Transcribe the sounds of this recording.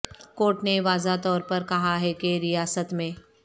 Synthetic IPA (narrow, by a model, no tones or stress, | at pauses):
koːʈneʋaːzat̪ɔːɾpɐɾkɐɦaɦɛkeɾijaːsət̪mẽː